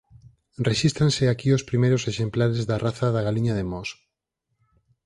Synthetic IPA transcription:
reʃist̪ɾãnseakiospɾimejɾoseʃemplaɾezðaraθaðaɣaliɲaðemɔs

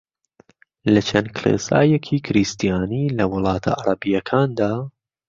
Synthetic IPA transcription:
lɐt͡ʃʰɐnkʰlḛːsa̰ːjɛkʰiːkʰɪɾist̪ijaːniːlɐwʊlˠɑːt̪ʰa̰aɾˤɐbijɐkʰaːnd̪aː

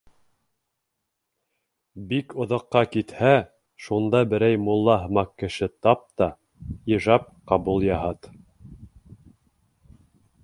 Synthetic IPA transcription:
bikŏðɑ̆qːɑkit̪hæ | ʃund̪ɑbɘ̆ɾæjmulˠːɑɦɤ̆mɑqːɘ̆ʃɘt̪ɑp̚t̪ɑ | iʒɑp̚qɑbulˠjɑɦɑt̪

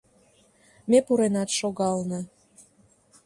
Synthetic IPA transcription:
mepuɾenɑt̪ʃoɣɑlnə

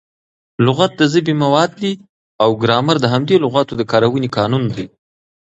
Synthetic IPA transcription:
lʊɣat̪̚d̪əzəbimawɑd̪̚d̪i | awɡɾɑmaɾd̪əɦamd̪elʊɣat̪od̪əkɑɾawənekɑnund̪aj

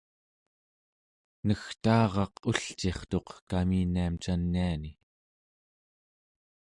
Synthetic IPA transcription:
nəxt̪ɑːʁɑquɬt͡ʃeχt̪o̞qkaminiamt͡ʃanːiani

